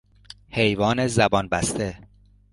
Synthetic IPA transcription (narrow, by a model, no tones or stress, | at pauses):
he̞jvɒːne̞zæbɒːnbæst̪e